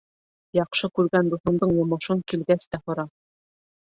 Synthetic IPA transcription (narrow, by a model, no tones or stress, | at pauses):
jɑqʃɤkʉɾɡænd̪uθɤ̆nd̪ɤɴjŏmɤ̆ʃɤŋkilɡæst̪æhŏɾɑ